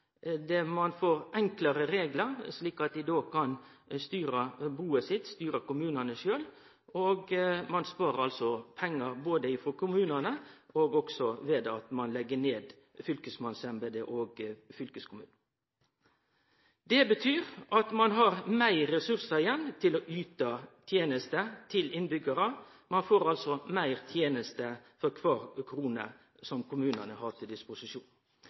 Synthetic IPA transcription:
d̪ɛmɑnfoːɾʔɛŋklɑɾəɾeːɡləʂliːkɑt̪̚d̪ɪd̪oːkʰɑnst̪yːɾəbuːəsɪt̪st̪yːɾəkʊmʉːnɑnəʂøːl | oːɡmɑnspɑːʁɑɾɑlsɔpʰɛŋːəɾboːd̪əɪnfɔkʰʊmʉːnɑnəoːɡɔksɔʋeːd̪ɑ̰t̪mɑnlɛɡːəneːd̪ | fʏlkəsmɑnsɛmbɛd̪əʔoːɡfʏlkəskʰʊmʉ̰ːn | d̪ɛbət̪ʰyːɾʔɑt̪mɑnɦɑʁmæɪɾɛsʉɾsɑɾɪjɛnt̪ʰɪloːʔyːt̪ɑt̪ʰjeːnəst̪ət̪ʰɪlɪnbʏɡəɾə | mɑnfoːɾɑlsɔmæɪʁt̪ʰjeːnəst̪əfɔɾkʰʋɑːʁkʰɾuːnə̰ | sɔmkʊmʉːnənəhɑt̪ʰɪd̪ɪspʊsɪʃuːn

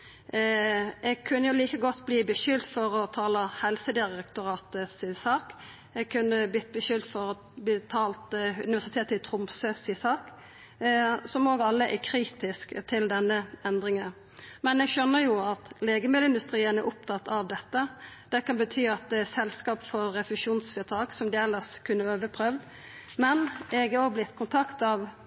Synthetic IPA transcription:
ɛɡ̚kʰʉnːəjʊliːkəɡɔt̪ːbliːbəʃʏlt̪fɔɾɔt̪ʰɑːləhɛlsəd̪ɪɾɛkt̪ʊɾɑːt̪sɪsɑːk | ɛɡ̚kʰʉnːəblɪt̪̚ːbəʃʏlt̪fɔɾɔ | bət̪ʰɑːlt̪ʉ̰nɪʋæsɪt̪ʰeːt̪əɪt̪ʰɾʊmsøsɪsɑːk | sɔmoːɡɑlːəʔɛkʰɾiːt̪ɪskt̪ʰɪld̪ɛnːəɛnd̪ʁɪŋə | mɛnɛɡʃœnːəɾjʊɑt̪leːɡəmɪd̪əɪnd̪ʉst̪ɾiːənæɾʔʊp̚t̪ʰɑt̪ːɑʋd̪ɛt̪ːəd̪̥ɛkʰɑnbət̪ʰyːɑt̪̚d̪ɛsɛlskɑːpfɔɾːɛfʉʂuːnsfeːt̪ʰɑːksɔmd̪ɪɛləskʰʉnːəøːʋəpʰɾøːʋd̪ | mɛnɛɡoːɡblɪt̪ːkʰʊnt̪ʰɑkt̪ɑʋ

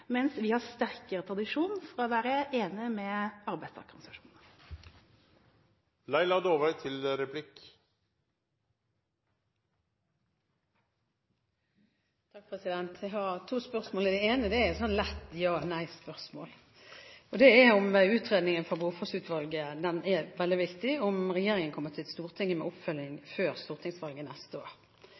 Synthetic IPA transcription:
mɛnsʋɪhɑːst̪æɾkəɾət̪ʰɾɑd̪ɪʂuːnfɔɾɔʋæːɾəʔeːnəmɛːɑɾbæɪsʰɑ̰ɡɑnɪsɑʂu̥̰ːnnə | læɪlɑd̪oːʋæɪt̪ʰɪlɾɛpʰlɪk | t̪ʰɑk̚pʰʁɛsɪd̪ɛnt̪ʰɛɦɑʁt̪ʰuːspœʁsmoːlɪd̪ɛeːnəd̪ɛæɛt̪sɔnlɛt̪ːjɑːnæɪspœʁsmoːl | ɔd̪ɛɛɔmʉːt̪ʁeːd̪nɪŋənfɔbuːfɔsʉːt̪ʋɑlɡəd̪ɛnɛɾʋɛld̪ɪʋɪkt̪ɪɔmʁɛjeːɾɪŋənkʰɔmːət̪ʰɪlst̪uːʁt̪ʰɪŋːəmɛ̰ʔʊpfœlɪŋføːʁst̪uːʁt̪ʰɪŋsʋɑlɡənɛst̪əo̰ːʁ

